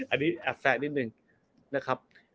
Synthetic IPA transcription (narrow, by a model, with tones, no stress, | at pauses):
ʔa˧niː˦˥ʔɛ˦˥p̚sɛː˦˥t̪̚ni˦t̪̚nɯ˨˩ŋ | na˦˥kʰɾa˦˥p̚